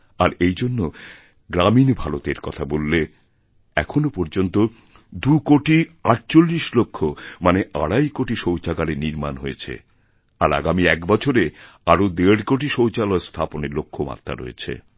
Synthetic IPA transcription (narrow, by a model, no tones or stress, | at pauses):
aɾejd͡ʑonːo | ɡɾaminbʱalot̪eɾkɔt̪ʰabolːe | ɛkʰonopɔɾd͡ʑont̪o | d̪ukoʈiaʈ̚t͡ɕolːiʃlokʰːomaneʔa̰ɽajkoʈiʃowt͡ɕaɡaɾeniɾma̰nɦojet͡ɕʰḛ | a̰ɾa̰ɡamiɛkbɔt͡ɕʰoɾe | aɾod̪eɽkoʈ̬iʃowt͡ɕalɔest̪ʰaponeɾlokʰːoma̰t̪ːɾa̰ɾo̰ḛt͡ɕʰḛ